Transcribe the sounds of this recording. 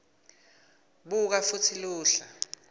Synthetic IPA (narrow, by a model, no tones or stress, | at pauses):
ɓuk̬afut͡sʰiluːɬa